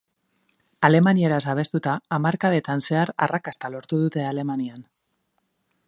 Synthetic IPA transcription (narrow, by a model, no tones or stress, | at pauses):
ale̞manieɾas̬aβ̞e̞st̪ut̪aːmaɾkaðe̞t̪anse̞aɾa̰rakast̪alo̞ɾt̪uð̞ut̪e̞ale̞manian